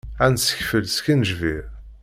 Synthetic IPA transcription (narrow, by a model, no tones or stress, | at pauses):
ænsə̥çfəlskənʒviɾ